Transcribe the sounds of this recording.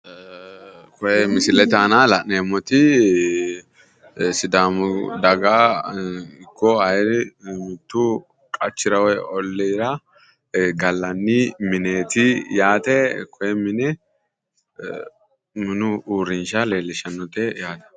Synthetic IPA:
kɔjɛmɪsɪlɛt̪aːnalɐʔneːmːɔt̪ɪ | sɪd̪aːmʊd̪ɐɡaː | ɪkːɔɐjɾɪmɪt̪ːu | kʼɐt͡ʃːɪɾɐwɔɔlːɛːɾɐ | ɡɐlːɐnːimɪneːt̪ɪjaːt̪ɛkʰɔjɛmɪnɛ | mɪnʊuːɾɪnʃɐle̞ːlːɪʃɐnːɔt̪ɛjaːt̪ɐ̥

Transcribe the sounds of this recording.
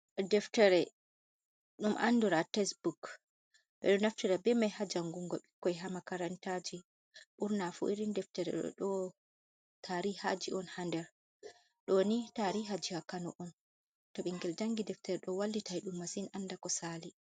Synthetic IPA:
dɛftɛɾɛ | ɗumʔa̰nːduɾatɛsbuk | ɓɛ̰ɗɔnaftiɾabɛmajhad͡ʒaŋɡuŋɡɔɓikːɔjɦamakaɾantad͡ʒi | ɓuɾnafṵiɾindɛftɛɾɛ̰ɔ̰ɗɔ | tʰaɾihad͡ʒiʔɔnhandɛɾ | ɗɔnitaɾiɦad͡ʒihakanɔ̰ʔɔn | tɔɓiŋɡɛld͡ʒaŋɡidɛftɛɾɛɗɔwalːitajɗumːasinandakɔsali

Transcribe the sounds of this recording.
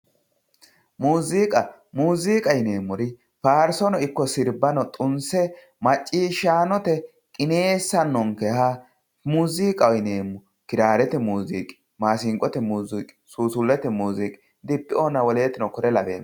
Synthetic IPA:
muːziːkʼɐ | muːziːkʼɐjɪne̞ːmːʊɾɪ | faːɾsɔnɔɪkːɔsɪɾbɐnɔt̪ʼʊnsɛ | mɐt͡ʃʼːiːʃaːnɔt̪ɛ | kʼɪneːsːɐnːɔŋkɛha | muːziːkʼɐwjneːmːʊ | kɪɾaːɾɛt̪ɛmuːziːkʼɪ̥ | maːsɪŋkʼːɔt̪ɛmuːzikʼɪ̥suːsʊlːɛt̪ɛmuːziːkʼɪ | d̪ɪpːɪʔoːnɐwɔleːt̪ɪnɔkɔɾɛlɐbḛːm

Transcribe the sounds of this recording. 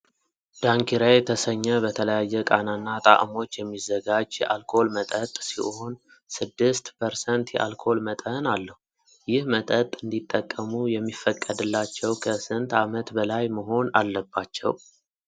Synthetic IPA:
d̪̥aŋkʰiɾajt̪ʰəsəɲːəbət̪ʰələjajːɛkʼananːat̪ʼa̰ʔmo̞t͡ʃːjɛmːizːəɡad͡ʒjɛʔalkʰo̞lmət̪ʼət̪ʼsḭho̞n | sɨd̪ːɨst̪pʰəɾsɛnt̪jɛ̰ʔa̰lkʰo̞lmət̪ʼənalːəhu | jɪhmət̪ʼət̪ʼɨnd̪it̪ʼːəkʼːəmujɛmːifːəkʼːəd̪ɨlːat͡ʃːɛwkʰəsɨnt̪amət̪bəlajməɦo̞nalːəbːat͡ʃːɛ̰w

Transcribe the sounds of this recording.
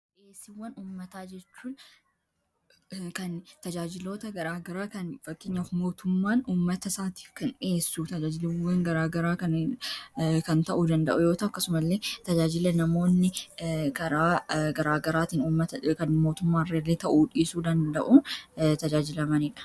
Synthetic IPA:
ʔeːsɪwːɐnuːmːɐt̪aːd͡ʒɛt͡ʃːuːn | kɐnt̪ɐd͡ʒaːd͡ʒɪlo̞ːt̪ɐɡɐɾaːɡɐɾaːkɐnfɐkːeːɲːɐfmo̞ːt̪ʊmːaːnuːmːɐt̪ɐsaːt̪i̥ːfkɐne̞ːsːut̪ɐd͡ʒaːd͡ʒɪlɪwːɐŋɡɐɾaːɡɐɾaːkɐ | kɐnt̪ɐʔud̪ɐnd̪ɐ̰ʔʊjo̞ːt̪ɐʊɐkːɐsʊmɐlːe̞ːt̪ɐd͡ʒaːd͡ʒɪlɐnɐmo̞ːnːɪkɐɾaːɡɐɾaːɡɐɾaːt̪iːnuːmːɐt̪ɐkɐnmo̞ːt̪ʊmːaːrelːeːt̪ɐʔuːᶑiːsuːd̪ɐnd̪ɐʔunt̪ɐd͡ʒaːd͡ʒɪlɐmɐniːᶑɐ̥

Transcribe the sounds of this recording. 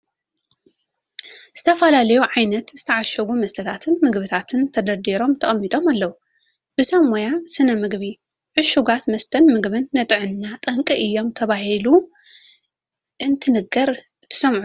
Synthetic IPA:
z̥ɨt̪ʰɐfɐlalɐjuʕajnɐt̪zɨt̪ʰɐʕaʃɐɡumɐst̪ʰɐt̪ʰat̪ʰɨnmɨɡβɨt̪ʰat̪ʰɨnt̪ʰɐd̪ɐɾd̪eɾo̞mt̪ʰɐχʼɐmːit̪ʼo̞malːɐwu | b̥ɨsɐmojasɨnɐmɨɡβi | ʕɨʃuɡat̪mɐst̪ʰɐnmɨɡβɨnːɐt̪ʼɨʕɨnːat̪ʼɐŋkʼiʔɨjːo̞mt̪ʰɐβaɦilu | ʔɨnt̪ʰɨnɨɡɐɾ | t̪ʰːɨ̥sɐmʕu

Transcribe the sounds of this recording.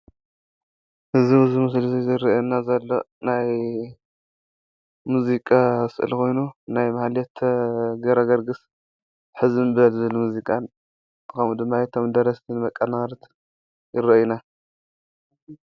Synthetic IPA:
hɨziɨzumɨs̬lizizɨɾɐʔɛnːazɐlːo | naj | muzikʼasɨʔɨ̰lko̞jnunajmahljɛt̪ʰɡɐɾɐɡɐɾɡɨs | ħɨzɨnbɨɐlzɨlmuzikʼan | kʰɐmud̪ɨmːajt̪ʰomd̪ɐɾɐst̪ʰinmɐkʼːɐnaɾt̪ʰ | jɪɾɐʔjuna

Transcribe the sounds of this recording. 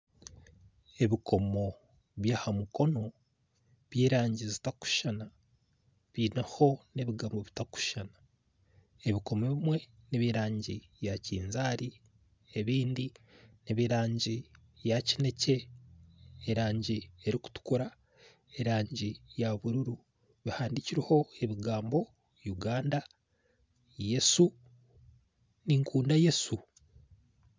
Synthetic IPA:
e̞βikʰo̞mo̞ | βjaːhamuko̞no̞ | βjiːɾaːɲɟizitaku̥ʃana | βiːnaho̞ne̞βiɡamoβitaku̥ʃana | e̞βiko̞meβimwe̞niβiɾaːɲɟi | jaciːnzaːɾi | e̞βiːndiniβiɾaːɲɟi | jacine̞ce̞ː | ɾaːɲɟie̞ɾiku̥tu̥kuɾa | e̞ɾaːɲɟijaβuɾuɾu | βihaːndiciɾiho̞e̞βiɡaːmbo̞ | juɡaːnda | je̞su | niŋkʰuːndaje̞su

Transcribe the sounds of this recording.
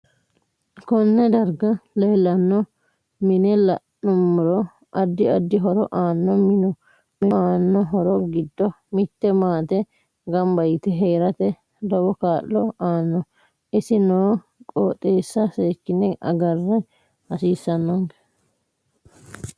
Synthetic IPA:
kɔnːɛd̪ɐɾɡɐleːlːɐnːɔ | mɪnɛlɐʔnʊmːʊɾɔ | ʔɐd̪ːɪɐd̪ːɪɦɔɾɔʔaːnːɔmɪnɔ | mɪaːnːɔɦɔɾɔɡɪd̪ːɔ | mɪt̪ːɛmaːt̪ɛ | ɡɐmbɐjɪt̪ɛɦeːɾɐt̪ɛ | d̪ɔwɔkaːlːɔaːnːɔ | ɪsɪnoː | kʼoːt̪ʼeːsːɐseːkːɪnɛʔɐ̰ɡɐrːɛ | hɐsiːsːɐnːɔŋk

